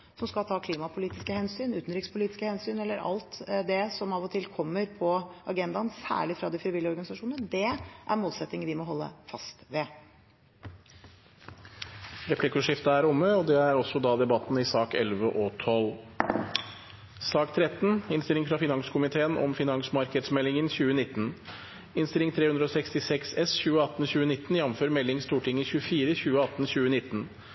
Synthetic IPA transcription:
sɔmskɑlt̪ʰɑːkʰliːmɑpʰʊliːt̪ɪskəhɛnsyːnʉːt̪n̩ɾɪkspʰʊliːt̪ɪ̥skəhɛnsyːnɛlːəɾʔɑ̰lt̪d̪ɛsɔmɑʋɔt̪ʰɪlkʰɔmːəɾpʰɔɑɡɛnd̪ɑnsæ̰ːɭɪfɾɑd̪ɪfɾɪʋɪlɪəɔɾɡɑnɪsɑʂuːnənəd̪ɛʔæ̰ɾmoːlsɛt̪nɪŋəɾʋɪmɔɦɔlːə̰fɑst̪ʋɛ | ɾɛpʰlɪkʉʂɪft̪əæɾʊmːəɔd̪ɛæɾɔsːɔd̪ɑːd̪ɛbɑt̪n̩ɪsɑːkɛlʋəʔɔt̪ʰɔlː | sɑːkt̪ʰɾɛt̪n̩ɪnst̪ɪlɪŋfɾɑfɪnɑŋskʰʊmɪt̪ʰeːənʔɔ̰mfɪnɑŋsmɑɾkəd̪smɛlːɪŋənçʉːənɪt̪ːn̩ | ɪnst̪ɪlɪŋt̪ʰɾeːhʉnd̪ɾəɔːsɛkst̪ɪsɛksɛsçʉːəɑt̪ːnçʉːənɪt̪ːn̩jɛmføːɾmɛlːɪŋst̪uːʈʰɪŋːəçʉəfiːɾəçʉːəɑt̪ːn̩ɕʉːənɪt̪ːn̩

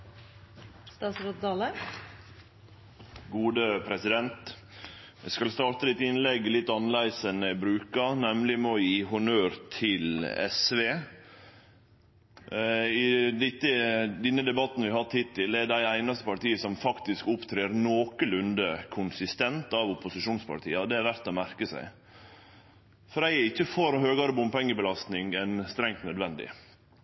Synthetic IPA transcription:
st̪ɑːsɾot̪d̪ɑːlə | ɡuːd̪əpʰɾɛsɪd̪ɛnt̪ | ʋɛskɑlst̪ɑːɾt̪əlɪt̪ɪnlɛɡlɪt̪ːɑnlæɪsənəbɾʉːkɑnɛmlɪmojiːɦʊnøːɾt̪ʰɪlɛ̰sʋeː | ɪd̪ɪt̪ːəd̪ɪnːəd̪ɛbɑt̪ːn̩ʋɪhɑt̪hɪt̪ʰːɪld̪ɛɖ̪æɪæɪnɑst̪əpɑɾʈ̪iːəsɔmfɑkt̪ɪskʊpt̪ʰɾeːɾnoːkəlʉnd̪əkʰʊnsɪst̪ɛnt̪ɑʋʊpʊsɪʃuːnspʰɑ̰ɾt̪ʰḭːɑd̪ɛæɾʋæɾt̪ːɔmæɾkəsæ̰ɪ | fɔɾæɪɪçːəfɔɾhøːɡɑɾəbʊmpɛŋːəbəlɑst̪nɪŋæɪnst̪ɾɛŋt̪nœd̪ʋɛnd̪ɪ̰

